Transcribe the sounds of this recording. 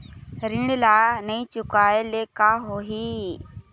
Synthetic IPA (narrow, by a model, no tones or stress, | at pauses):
ɾɪɳlaːnəĩːt͡ʃʊkaːeːleːkaːɦoːɦiː